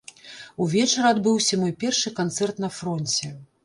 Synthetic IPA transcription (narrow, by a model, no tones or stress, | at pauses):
uvʲɛt͡ʂɐɾɐad̪bɨwsʲɐmɔjpʲɛrʂɨkant̪sɛrt̪nɐfɾɔnʲt͡sʲɛ